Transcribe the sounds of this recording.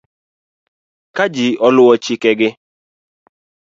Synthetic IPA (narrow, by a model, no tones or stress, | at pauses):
kad͡ʒiɔlʊwɔt͡ʃikɛɡɪ